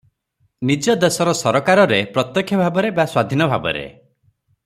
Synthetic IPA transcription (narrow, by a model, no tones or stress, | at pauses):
nid͡ʒɔd̪esɔɾɔsɔɾɔkaɾɔɾepɾɔt̪jɔkʰːjɔbʱabɔɾebaswad̪ʱinɔbʱabɔ̰ɾḛ